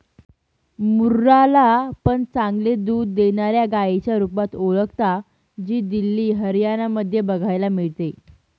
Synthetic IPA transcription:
muɾːalapəɳt͡sãŋɡled̪uːd̪ːeɳaɾjaɡajet͡ɕjaɾupat̪oɭəkt̪a | d͡ʑiːd̪ilːiːɦəɾjanaməd̪ʱːjebəɡʱajlamiɭt̪e

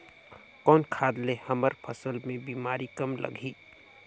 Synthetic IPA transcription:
kɔːnkʰaːd̪lehəməɾpʰəsəlmẽbiːmaːɾikəmlə̰ɡʱiː

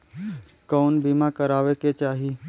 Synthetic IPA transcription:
kɔːnbiːmakəɾaːʋeket͡ʃaːɦi

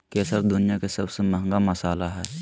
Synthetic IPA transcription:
keːsəɾfd̪ʊnijakesɐbsemɐɦŋɡamɐsaːlaɦɛː

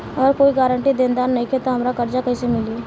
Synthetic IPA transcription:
ɔːɾkoːiɡaːɾəɳʈid̪ẽːnd̪aːɾnɐɦĩkʰet̪oɦɐmɾakɐɾd͡ʒakɐɦĩsemɪlie

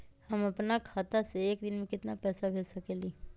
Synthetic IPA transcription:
həmɐpnakʰaːt̪aseeːkd̪ɪnmẽkɪt̪napɛːsabʱeːlsɐkeːliː

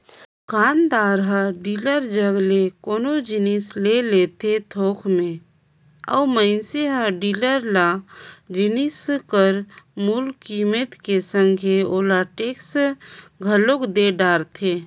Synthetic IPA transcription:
kʰaːnd̪aːɾɦəɖiːləɾd͡ʒəɡlekoːnod͡ʒɪnislelet̪et̪ʰoːkʰmẽ | ə̰ːməɪnseɦəɖiːləɾlad͡ʒɪniskəɾmuːlkimet̪kesə̃ŋɡʱeoːlaʈeːks | ɡʱəlokd̪eɖaːɾt̪ʰeː

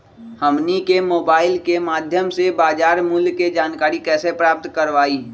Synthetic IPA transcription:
həmnikemoːbaːɪlkemaːd̪ʱjəmsebaːd͡ʒaːɾmʊlked͡ʒaːnkaːɾikɛːsepɾaːp̚t̪kəɾʋaːi

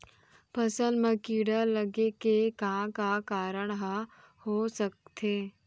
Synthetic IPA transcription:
pɐsə̃nd̪mẽkiːɽaləɡekekãkakaːɾəɳ̃ɦ | hosək̚t̪ʰeː

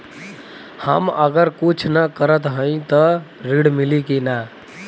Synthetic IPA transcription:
hə̰məɡəɾkut͡ʃʰnakəɾət̪ɦə̃ĩt̪əɾiɽmilikena

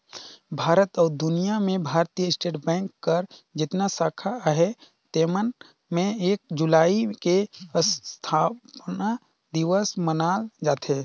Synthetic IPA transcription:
bʱaːɾət̪ɔːɾd̪ʊnijamẽbʱaːɾt̪ijəɪsʈeːʈbɛ̃ːŋkːəɾd͡ʒɪt̪nasaːkʰaɦɛ | t̪eːmən | mẽeːk̚d͡ʒʊlaːikest̪ʰaːpna | d̪ɪʋəsmənaːld͡ʒaːt̪eː

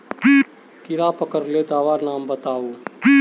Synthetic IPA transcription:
pi | kɪɾaːpəkəɾleːt̪aːʋaːɾnaːmbət̪aːoː

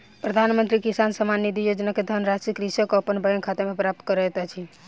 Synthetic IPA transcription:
pɾəd̪ʱanmənt̪ɾikisansəmanːid̪ʱijod͡ʒnaked̪ʱənɾasɾikɾisjəkeəpənbəjənkʰat̪emepɾap̚t̪kəɾɛt̪ɛt͡ʃʰi

